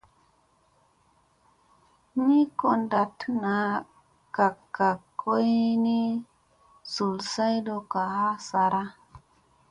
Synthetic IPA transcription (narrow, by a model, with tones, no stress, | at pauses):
ni˦ko˨nda˨tna˨ | ka˨kːa˨kʰːo˦jni˦ | su˨lsa˦jdo˨ka˨ha˦sa˨ɾa˦